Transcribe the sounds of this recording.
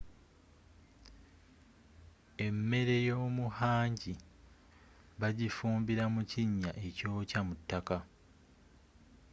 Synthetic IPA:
e̞mːe̞ɾe̞jo̞ːmuhaːɲɟi | βaɟifuːmbiɾamuciɲːaʔe̞co̞ːcamutːaka

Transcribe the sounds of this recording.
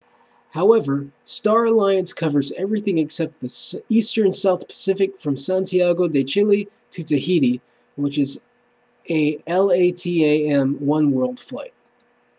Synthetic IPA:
haʊɛvə˞stɑɹɨlaɪɨ̃nskʰʌvə˞zɛvɹiθɪ̃ŋɨksɛp̚t̪̚ðɨsistə̃˞nsaʊθpʰə̥sɪfɨkfɹʌ̃msæ̃ntʰiæɡoʊdeɪt͡ʃɪlˠi | ɾʰɨtɨhiɾi | wət͡ʃɨz | eɪɛlˠeɪtʰieɪɛ̃mwʌ̃nwɜ˞lˠd̥flaɪt̚

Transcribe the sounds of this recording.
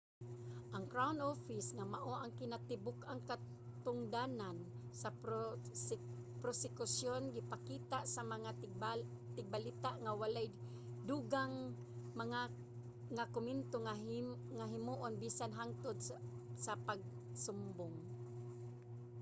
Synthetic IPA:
ʔaŋkɾawnofɪsŋamaʔoʔaŋkɪnat̪ɪbʊkaŋka | t̪ʊŋd̪anansa | pɾosɪkʊsjonɡɪpakiːt̪aʔsamaŋa | t̪ɪɡ̚balit̪aʔŋawalaj | d̪uɡaŋ | maŋa | ŋakʊmɪnt̪oŋaŋaɦɪmuːʔonbiːsanɦaŋt̪ʊd̪̚sapaɡ̚ | sʊmbʊŋ

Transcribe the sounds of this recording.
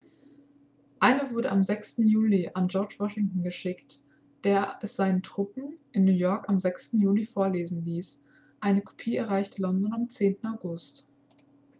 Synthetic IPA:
ʔaɪnəvʊɐɾəamzɛkstn̩juːliʔand͡ʒɔɐt͡ʃv̥ɔʃɪŋtn̩ɡəʃɪkt | d̥eːɐɛsz̥aɪnəntʁ̥ʊpm̩ʔɪnːuːjɔɐkamzɛkstn̩juːlifoːɐleːzn̩liːs | ʔaɪnəkʰo̥pʰiːɛɐʁ̞aɪçtəlɔndɔnamt͡seːntn̩aʊɡʊst

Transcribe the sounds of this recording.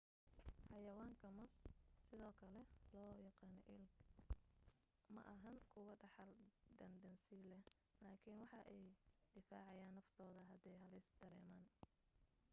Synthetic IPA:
ħɑjɐwaːŋkʰɐmɐssɪðɔːkʰɐlɛlɔːjɑqɑːnɔ̰ʔɪlɡ | mɐ̰ʔɐɦɐŋkʰʊwɐɖɑħɑlɖ̪ɐndɐnsilɛh | laːkʰɪnwɑħɑʔɛjd̪̥ɪfa̰ːʕɑjaːnːɐft̪ʰɔːðɐɦɐd̪ɛjhɐlɪsd̪̥ɐɾɛ̰ːmaːn

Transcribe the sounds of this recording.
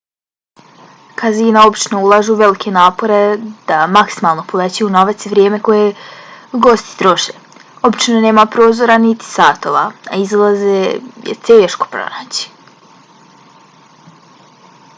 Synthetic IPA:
kaziːnao̞bit͡ʃno̞ulˠaːʒuːʋe̞likʰe̞naːpo̞ɾe̞d̪̥amaksimalˠno̞polet͡ɕujuno̞ʋat̪siʋɾʲjeːme̞ko̞je̞ | ɡo̞st̪i̥t̪ɾo̞ʃe | o̞bit͡ʃnone̞ːmapɾo̞ːzo̞ɾanit̪i̥saːt̪oʋaa̰izlˠazejḛt̪eːʃko̥pɾo̰naːt͡ɕi̥

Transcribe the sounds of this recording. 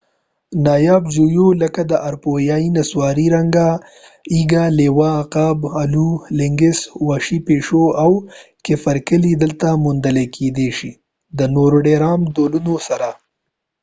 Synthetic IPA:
nɑjɑːbd͡ʒujoləkad̪əʔaɾpojainaswɑɾiɾaŋɡa | iɡalewaqabalulɪŋɡɪswaʃipeʂoawkɪfaɾkəlid̪əlt̪amʊnd̪əlekʰed̪eʃi | d̪ənoɾoɖeɾɑmd̪olunosaɾa

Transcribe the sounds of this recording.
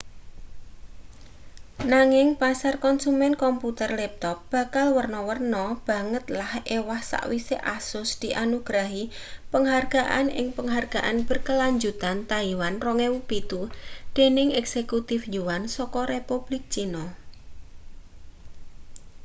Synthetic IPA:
naŋɪŋpasarkɔnsumɛnkɔmput̪ərlɛp̚t̪ɔp̚b̥a̤kalwərnɔwərnɔb̥ä̤ŋət̪lahʔewahsa̰ʔwiseʔasʊsd̪̥i̤ʔanuɡ̥ɾaɦi | pəŋɦarɡ̥aʔa̰nɪ̰ŋpəŋɦarɡ̥a̤ʔanb̥ə̤rkəlaɲd͡ʒut̪ant̪aiwanrɔŋɛwupit̪ud̪̥e̤nɪŋɛksekut̪ɪfd͡ʒuwansɔkɔɾepub̥lɪk̚t͡ʃinɔ

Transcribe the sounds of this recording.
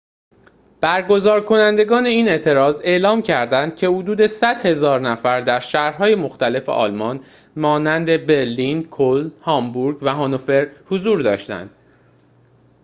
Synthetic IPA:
b̥æɾɡo̞zɒːɾkʰo̞nænd̪e̞ɡɒːne̞iːne̞ʔt̪ʰe̞ɾɒːze̞ʔlɒːmcʰæɾd̪ænd̪̥cʰe̞hod̪uːd̪e̞sæd̪̥he̞zɒːɾnæfæɾd̪æɾʃæhɾɦɒːjemo̞xt̪æle̞fe̞̰ʔɒ̰ːlmɒn | mɒːnænd̪e̞be̞ɾlinkʰolhɒːmbuɾɡvæɦɒnofe̞ɾhozuːɾd̪ɒ̰ːʃt̪æ̰nd̪̥

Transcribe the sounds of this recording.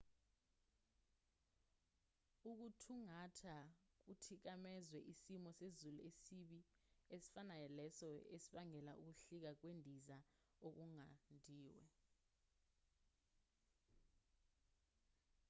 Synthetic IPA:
uk̬utʰuŋatʰa | k̬utʰik̬amɛzwɛʔisimɔsezuluesiɓiesi̥fanaɛlɛsɔḛsiɓaŋɛla̰ʔuk̬uɬik̬ak̬wendʱiza | ok̬uŋandʱiːwɛ̰

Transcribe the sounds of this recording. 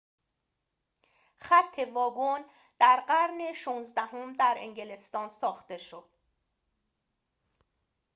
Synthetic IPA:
χæt̪ʰːe̞vɒːɡon | d̪̥æɾɢæɾneʃuːnzd̪æhomd̪æɾḛŋɟele̞st̪ɒːnsɒːxt̪e̞ʃod̪̥

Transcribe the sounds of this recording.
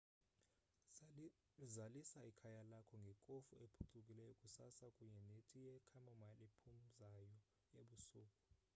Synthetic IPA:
zalisaikʰajalakʰɔŋɡʱɛkʼofuepʰuǀukʼilɛjɔkʼusasakʼuɲɛnetʼijɛkʰamɔmalepʰum̩zajɔ | jeɓusuːkʼu

